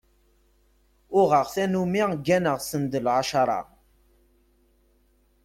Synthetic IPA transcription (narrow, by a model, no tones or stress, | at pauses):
ʊʁəʁθænumiʁɡːænəʁsənd̪əlʕaʃɑɾˤɑ̰